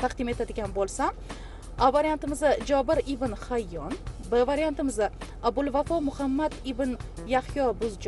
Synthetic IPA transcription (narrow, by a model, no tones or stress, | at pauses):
t̪ʰaqd̪ɪme̞t̪ʰad̪ɪɡʲanbolˠsam | avaɾijant̪ɪmɪzad͡ʒɒbɪɾɪbɪnhajːɒnbɪvaɾijant̪ɪmɪza | abʊlˠvafɒmʊhamːad̪ɪbɪn | jahjɒbʊzd͡ʒ